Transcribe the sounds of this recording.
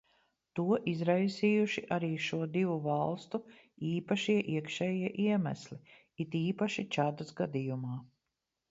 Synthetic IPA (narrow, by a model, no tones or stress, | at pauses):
t̪uɔʔizɾajsiːjuʃiʔaɾiːʃuɔd̪ivuvɑlˠst̪u | iːpaʃiɛʔiɛkʃɛːjiɛʔiɛmæ̰slʲi | it̪iːpaʃit͡ʃad̪asɡad̪ijumaː